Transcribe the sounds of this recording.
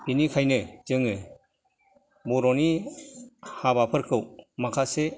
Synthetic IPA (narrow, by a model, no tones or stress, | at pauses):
binikʰajnɯd͡ʒɯŋɯ | bɔɾɔni | habapʰɯɾkʰɯwmakʰase